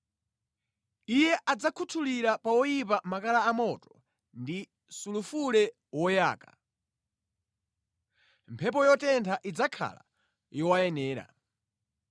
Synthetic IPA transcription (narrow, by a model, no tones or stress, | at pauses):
ijɛʔad͡zakʰutʰuliɾapawɔjip̬amakalaːmɔtɔ̥ | ndi | sulufulɛ | wɔja̰ːka | mpʰɛp̬ɔjɔtɛntʰaʔid͡zakʰa̰la̰ | jɔwajɛnɛːɾa̰